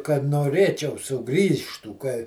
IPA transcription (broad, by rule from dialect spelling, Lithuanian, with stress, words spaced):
kɐt noːˈrʲeːt͡ʃʲɛʊ sʊˈɡrʲiːʃtuː kɐ